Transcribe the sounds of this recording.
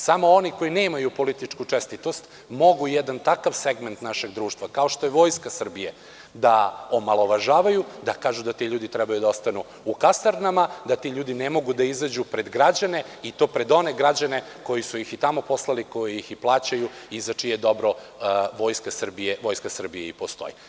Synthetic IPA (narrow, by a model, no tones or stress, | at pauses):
samo̞oniko̞jinemajupo̞lit̪it͡ʂkut͡ʂɛst̪it̪ost̪ | mo̞ɡujɛd̪ant̪akaʋseɡment̪naʃe̞ɡd̪ɾuːʃt̪ʋakao̞ʃt̪ojeʋo̞jskasr̩bije | d̪aomalˠo̞ʋaʒaːʋajud̪akaːʒud̪at̪iʎuːd̪it̪ɾɛbajud̪aost̪anu | ukast̪aɾnamad̪at̪iʎuːd̪inemo̞ɡud̪aizad͡ʑupɾe̞d̪ɡɾad͡ʑane̞it̪o̞ːpɾe̞d̪o̞neɡɾad͡ʑane̞ | ko̞jisujixit̪amo̞po̞slˠaliko̞jijixiplˠaːt͡ɕajuizat͡ʂijed̪o̞bɾo̞ʋo̞ːjskasr̩bijeʋo̞jskasr̩bijeipost̪o̞̰jḭ